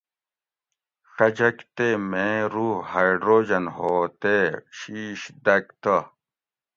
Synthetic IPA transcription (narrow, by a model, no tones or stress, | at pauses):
xɐd͡ʑɐkt̪emẽːɾuhajɖɾoːd͡ʑɐnhoːt̪eɕiːɕd̪ɐk̚t̪ɐ